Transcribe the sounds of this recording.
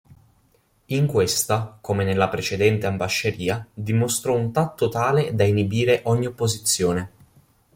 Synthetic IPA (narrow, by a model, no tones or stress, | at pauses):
iŋkwest̪akomenelːapɾet͡ʃed̪ɛnt̪eambaʃːeɾiːad̪imost̪ɾɔunt̪at̪ːot̪aːled̪ainibiːɾeʔɔɲːiopːozit̪sːjoːne